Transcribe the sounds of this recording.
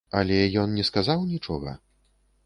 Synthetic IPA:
alʲɛjɔnnʲɛskazawnʲit͡ʂɔɣɐ̰

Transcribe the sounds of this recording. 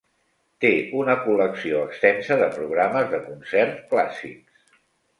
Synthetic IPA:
t̪eunəkuləksioəkst̪ɛnsəðəpɾuɣ̞ɾaməzðəkunsɛrt̪kla̰sḭks

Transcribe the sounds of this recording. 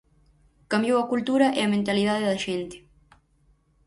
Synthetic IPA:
kambjowɐkult̪uɾɐʔeɐmẽnt̪alið̞aðeðɐʃent̪e̥

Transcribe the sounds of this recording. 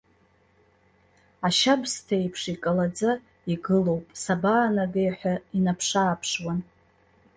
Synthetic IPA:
aʃabstʰaejpʰʂikʼalad͡za | iɡɨlo̞wpʼsabaːnaɡejħʷᶣainapʰʂaːpʰʂwan

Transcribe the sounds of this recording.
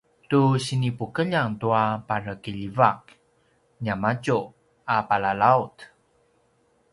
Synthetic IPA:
tuɕinipukəʎaŋtuapaɾəkiʎivak̚ | ɲamat͡ʃu | apalalaut

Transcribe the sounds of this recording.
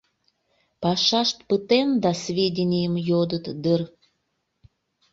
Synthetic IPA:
pɑʃɑʃt̪̚pət̪emd̪ɑsvʲedʲinʲijəmjod̪ət̪d̪ər

